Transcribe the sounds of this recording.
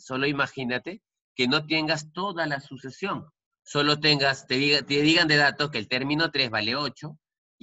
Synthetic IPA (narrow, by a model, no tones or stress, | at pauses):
so̞lo̞imaxinat̪e̞ | ke̞no̞t̪̬je̞ŋɡast̪o̞ðalasuse̞sjo̞ŋ | so̞lo̞t̪eŋɡast̪eit̪eðiɣand̪e̞ðat̪o̞ke̞ːlt̪e̞ɾmĩno̞t̪ɾe̞zβale̞o̞t͡ʃo̞